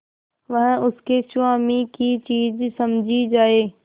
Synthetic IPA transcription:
ʋɐ̃ɦə̃ʊskʰesʊãːmĩkit͡ɕiːd͡ʑsɐmd͡ʑʱid͡ʑaːɦeː

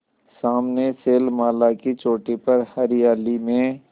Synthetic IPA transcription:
saːmneseːlmaːlakit͡ʃoːʈipɐɾhɐɾɪjaːlimẽ

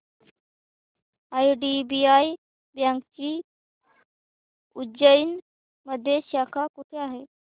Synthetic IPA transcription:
ajɖibiaj | bjãŋkt͡ɕiː | ud͡ʑəin | məd̪ʱjeɕakʰakuʈʰeaɦe

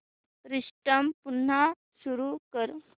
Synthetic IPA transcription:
ɾiʂʈəmpun̤ːa | suɾukəɾ

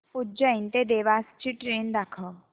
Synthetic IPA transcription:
pʊd͡ʒaint̪ed̪eːʋaːst͡ʃiʈɾeːnd̪akʰə

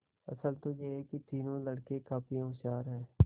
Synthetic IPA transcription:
ə̰səlt̪oːjeɦkɪt̪iːnõːləɽkekaːpijõʃaːɾɦɛː

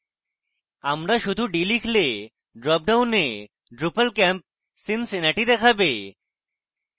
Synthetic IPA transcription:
amɾaʃud̪ʱuɖilikʰle | ɖɾɔp̚ɖawne | ɖɾupəlkɛmp̚ | sinsinaʈid̪ɛkʰabe

